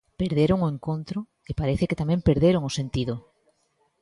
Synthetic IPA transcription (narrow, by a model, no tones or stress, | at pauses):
peɾð̞eɾoŋoẽŋkont̪ɾo | epaɾeθeket̪amẽmpeɾðeɾoŋosent̪iðo